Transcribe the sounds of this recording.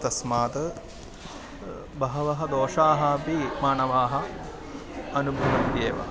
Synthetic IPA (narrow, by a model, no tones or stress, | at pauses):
t̪ɐsmaːt̪ɐ | bɐɦɐʋɐɦɐd̪oːʂaːɦɐːpimaːnɐʋaːɦɐ̆ | ɐnubʱɐʋɐnd̪eːʋɐ̰